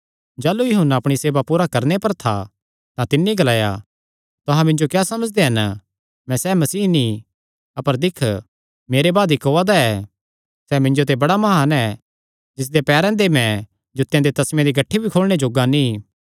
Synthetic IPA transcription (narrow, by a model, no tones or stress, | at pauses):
d͡ʒaːlujɐɦʊnːaɐpɽ̃iseːbapuːɾakɐɾnepɐɾt̪ʰa̰ | t̪ãt̪ɪnːiɡɐlaːja̰ | t̪ʊɦãmɪ̃nd͡ʒokjaːsɐməd͡ʒd̪eɦɐn | mɛ̃sɛmɐsiːnĩ | ɐpəɾd̪ɪkʰ | meːɾebaːd̪ikoːad̪aɛː | sɛmɪ̃nd͡ʒot̪̬ebɐɽamɐɦaːnɛ | d͡ʒɪs̬d̪epɛːɾɛ̃d̪emɛ̃ | d͡ʒʊt̪ːjãd̪et̪ɐsmẽd̪iɡɐʈʰːibʱikʰoːlɽ̃ed͡ʒoːɡanĩ